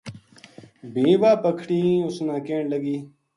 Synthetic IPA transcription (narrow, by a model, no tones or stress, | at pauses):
bĩːbaːpəkʰɽiːʊsnãːkẽːɳləɡiː